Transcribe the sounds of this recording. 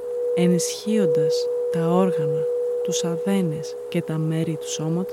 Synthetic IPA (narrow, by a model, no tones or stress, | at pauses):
e̞nisçio̞nd̪ɐst̪ɐo̞ɾɣɐnɐt̪usɐðe̞nesce̞t̪ɐme̞ɾit̪u̥so̞mɐt̪o